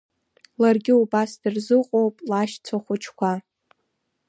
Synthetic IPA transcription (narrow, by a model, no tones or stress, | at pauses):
larɡʲɪubasdɨrzɨqʼowpʼlaʃt͡sʷʰaχʷʊt͡ʃʰkʷa